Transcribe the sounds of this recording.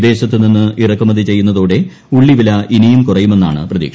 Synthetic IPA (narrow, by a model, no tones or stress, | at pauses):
d̪e̞ːɕɐt̪ːɨninːɨʔirɐkːɐmɐðit͡ɕe̞jːunːɐðoːɽe̞ | uɭːiʋilɐʔinijumkurɐjume̞nːa̰ːɳɨ̰prɐðḭːkʂ